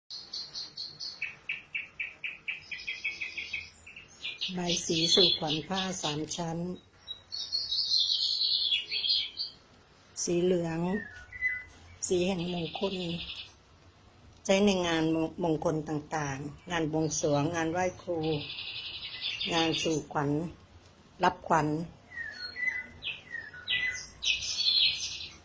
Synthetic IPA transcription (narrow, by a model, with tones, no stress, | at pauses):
ba˧˩jsiː˩˦suː˧˩kʰwa˩˦npʰaː˥˩saː˩˦mt͡ɕʰa˦˥n | siː˨˦lɯ˨˩˦əŋ | siː˨˦hɛ˨˩ŋmo˧ŋkʰo˧n | t͡ɕʰa˦˥jna˧˩jŋaː˧nmo˧ŋkʰo˧nt̪aː˨˩ŋt̪aː˨˩ŋːŋaː˧nwo˧ŋsu˩˦əŋːaː˧nwaː˥˩jkʰluː˧ | ŋaː˧nsuː˨˩kʰwa˩˦n | la˦˥p̚kʰwa˨˩˦n